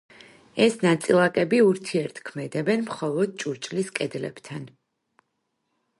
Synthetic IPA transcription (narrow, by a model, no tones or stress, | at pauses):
ɛsnat̪sʼilˠakʼɛbiuɾt̪ʰiɛɾt̪ʰkʰmɛd̪ɛbɛnmχɔlˠɔd̪̚t͡ʃʼuɾt͡ʃʼliskʼɛd̪lɛ̰b̥t̪ʰan